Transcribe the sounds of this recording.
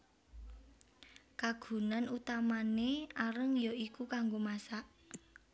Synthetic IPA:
kaɡ̥ṳnanut̪amaneaɾəŋjoikukaŋɡomasaʔ

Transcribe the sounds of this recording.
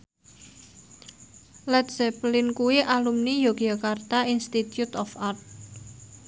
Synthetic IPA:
lɛt̪̚sɛplɪnkuwiʔalumnijoɡjakart̪ainst̪it̪jut̪ɔfart̪̚

